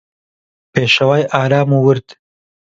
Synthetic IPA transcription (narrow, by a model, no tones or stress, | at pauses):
peːʃɐwaːjʔaːɾaːmuwɨɾd̪